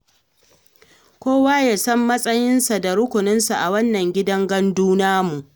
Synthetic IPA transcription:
kʷoː˦waː˦jaː˨sɐ˦mːɐ˦sʼɐ˦jɪ˦nsa˨da˨ɾʊ˦kʷʊ˨nɪ˦nsa˨ʔa˨wɐ˦nːɐ˨ŋɡʲɪ˦dɐ˦ŋɡɐ˦nduː˦naː˦mu˨ʔ

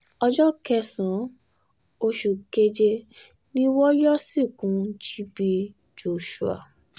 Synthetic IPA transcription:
ɔ˧d͡ʒɔ˦kɛ˧sã˨˦ | o˧ʃu˨ke˧d͡ʒe˧ | nĩ˦wɔ˦jɔ˦si˦˨kũ˨˦d͡ʒi˦bi˧ | d͡ʒo˨ʃu˨a̰˨

